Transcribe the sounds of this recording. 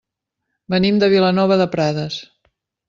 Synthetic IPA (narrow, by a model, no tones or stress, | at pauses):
bənimd̪əβilənɔβəðəpɾaðəs